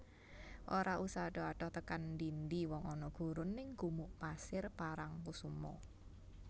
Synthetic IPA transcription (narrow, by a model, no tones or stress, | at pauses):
ʔoɾaʔusaɖ̥ɔ̤aɖ̥ɔht̪əkanːdind̪iwɔŋɔnɔɡ̥ṳɾʊnːɪŋɡumuʔpasɪrpaɾaŋpusumɔ̰